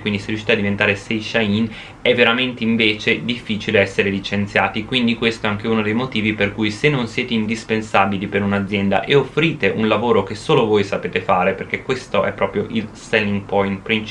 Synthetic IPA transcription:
kwind̪iseriuʃi̥ːt̪ead̪ivent̪aːɾesejʃain | ɛveɾament̪eiɱveːt͡ʃed̪ifːiːt͡ʃileɛsːeɾelit͡ʃent̪sjaːt̪ikwind̪ikwest̪oɛaŋk̟eɛunod̪ejmot̪iːviperkujsenːonsjeːt̪eind̪ispensaːbilipeɾunad̪zjɛnd̪a̰ʔeofːɾiːt̪eʔunlavoːɾok̟esoːlovojsapeːt̪efaːɾeperk̟ekwest̪oʔɛpːɾɔːpɾjoʔilsɛlːiŋɡpɔjnt̪pɾint͡ʃ

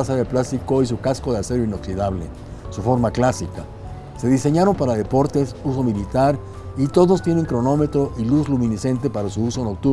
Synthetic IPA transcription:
asaðeplast̪iko̞is̬ukaskoðease̞ɾoino̞ksiðaβle | sufo̞ɾmaklasika | se̞ðise̞ɲaɾo̞mpaɾaðe̞po̞ɾt̪e̞sus̬o̞milit̪aɾ | it̪o̞ðo̞st̪je̞ne̞ŋkɾo̞no̞me̞t̪ɾo̞ʔiluzlumĩnise̞nt̪e̞paɾasuuso̞no̞k̚t̪u

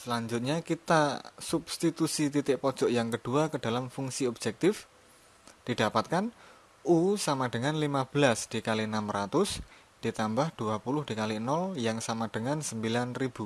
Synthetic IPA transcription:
səlaɲd͡ʒʊt̪̚ɲakit̪asub̥st̪it̪usit̪it̪ɪʔpɔd̥ʒ̥ɔʔjaŋkəɖ̥uakəd̥a̤lamfuŋsiɔb̥d͡ʒɛk̚t̪ɪf | d̥id̥apat̪̚kan | usamaɖ̥əŋanlimab̥əlasd̥ikalinamrat̪ʊs | d̥it̪ambahd̥uapulʊhd̥ikalinɔljaŋsamad̥əŋansəmbilanrib̥u

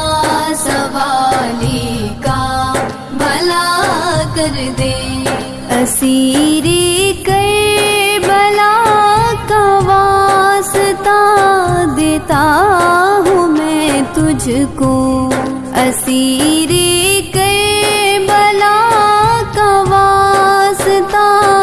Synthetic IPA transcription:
sɐʋaːlika | bɐlakɐɾd̪eː | ɐsiɾikɐe | bɐlakãʋaːsɪt̪a | d̪eːt̪a | ɦũmɛ̃t̪ʊd͡ʒʱkõ | ɐsiɾikɐebɐla | kaʋaːst̪a

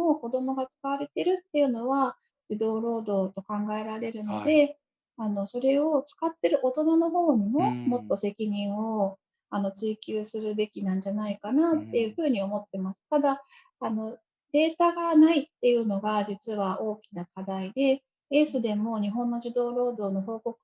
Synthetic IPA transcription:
mo̞ko̞d̪o̞mo̞ɡat͡sɨ̥kaβaɾe̞t̪e̞ɾɯ̟t̪ːe̞jɯ̟no̞βa | d͡ʑ̥id̪o̞ːɾo̞ːd̪o̞ːt̪o̞kãŋɡae̞ɾaɾe̞ɾɯ̟no̞d̪e̞ | ano̞so̞ɾe̞o̞t͡sɨ̥kat̪ːe̞ɾɯ̟ʔo̞t̪o̞nano̞ɦo̞ːɲ̟imo̞mo̞t̪ːo̞se̞kʲiɲ̟ĩɰ̃o̞ | ano̞t͡sɨikʲɨːsɨɾɯ̟be̞kʲinãɲ̟d͡ʑanaikanat̪ːe̞jɯ̟ɸɯ̟ːɲ̟io̞mo̞t̪ːe̞masɨ̥t̪ad̪aː | no̞ | d̪̥e̞ːt̪aɡanait̪ːe̞jɯ̟no̞ɡad͡ʑit͡sɨβao̞ːkʲinakad̪aid̪e̞ | esod̪e̞mo̞ɲ̟iɦõ̞nːo̞ʑid̪o̞ːɾo̞ːd̪o̞ːno̞ɦo̞ːko̞kɯ̟̥

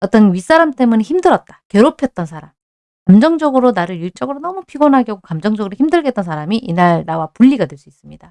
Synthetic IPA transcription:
ʌt͈ʌnɥis͈aɾamt͈e̞muneçimdɯɾʌt̚t͈ḁkjʌɾopʰjʌt̚t͈ʌnsʰaɾam | kamd͡ʑʌŋd͡ʑʌɡɯɾonaɾɯɭjut͡ɕ͈ʌɡɯɾonʌmupʰiɡonɦaɡjʌɡokamd͡ʑʌŋd͡ʑʌɡɯɾoçimdɯɭɡe̞t͈ʌnsʰaɾamiʔinaɭnawapuʎːiɡadwe̞ɭs͈uis͈ɯmɲida

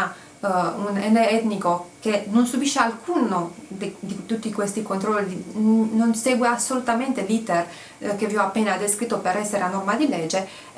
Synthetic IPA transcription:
unɛneɛt̪nikokenonsubiʃːealkunod̪ed̪it̪ut̪ːikwest̪ikont̪ɾɔlːinonseːɡweasːolut̪ament̪elit̪er | keviɔapːeːnad̪eskɾit̪ːopeɾɛsːeɾeanɔrmad̪ilɛd͡ʒːe

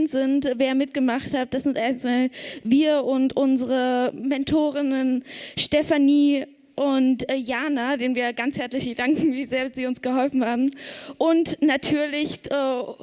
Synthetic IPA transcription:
ntz̥ɪntveːɐmɪtɡ̥əmaχthat̚d̥asz̥ɪntʔaɪnsaːlviːɐʔʊntʔʊnzəʁəmɛntʰoːʁɪnənʃtɛfaniː | ʔʊntːjaːnadeːnənviːɐɡanshɛɐt͡slɪçəd̥aŋkŋ̩viːzeːɐz̥iːʊnsɡ̥əɦɔlfn̩haːbm̩ʔʊntnatʰyːɐlɪçʔɛ

